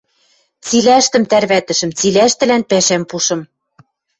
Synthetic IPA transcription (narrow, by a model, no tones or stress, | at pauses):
t͡silæʃt̪ɘ̆mt̪ærβæt̪ɘ̆ʃɘ̆mt͡silæʃt̪ɘ̆lænpæʃæmpuʃɤ̆m